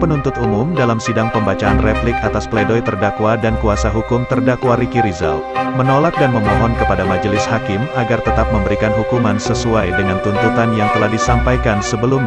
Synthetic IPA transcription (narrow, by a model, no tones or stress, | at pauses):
pənunt̪ʊt̪umʊmdalamsidaŋpəmbat͡ʃaːnreplɪk̚at̪aspledɔjt̪ərdakwadankuasaɦukʊmt̪ərdakwaɾikiɾiza̰l | mənolak̚danməmɔɦɔnkəpadamad͡ʒəlɪshakɪmaɡart̪ət̪ap̚məmbəɾikanɦukumansəsuajdəŋant̪unt̪ut̪anjaŋt̪əlahdisampajkansəbəlumɲ